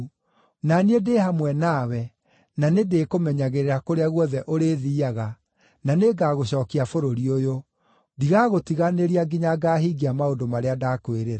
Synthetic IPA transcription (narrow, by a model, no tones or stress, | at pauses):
naniedehamwɛnawɛ | nanedekomɛɲaɣeɾeɾakoɾeaɣwɔðɛʔoɾeðiːaɣa | naneɡaːɣoɕɔːkiafoɾoɾiojo | diɣaɣotiɣaneɾiaɡiɲaɡaːɦiɡiamaondomaɾeadakweɾeɾa